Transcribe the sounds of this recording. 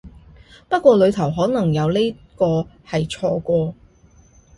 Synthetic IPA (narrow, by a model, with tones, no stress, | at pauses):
pɐ˥t̚kʷɔː˧lɵ˨˧t̪ʰɐ˨˩wɦɔː˨˥nɐ˨˩ŋjɐ˨˧wle˥jkɔː˧hɐ˨jt͡ʃʰɔː˧kʷɔː˧